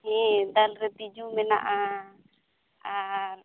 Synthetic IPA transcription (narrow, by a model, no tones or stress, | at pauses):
ɦɛ̃d̪alɾɛt̪id͡ʒumɛna̰ʔa | a